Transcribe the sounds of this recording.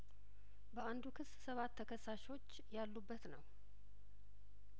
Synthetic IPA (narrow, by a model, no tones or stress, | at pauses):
bəand̪ukʰɨssəβat̪ʰːəkʰəsːaʃo̞t͡ʃːjalːubːət̪nəw